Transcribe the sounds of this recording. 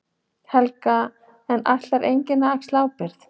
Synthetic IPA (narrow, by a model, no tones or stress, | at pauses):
hɛlka | ɛnːa̰ht̪laɾʔejɲcɪnaakslaːwpɪɾ̥θ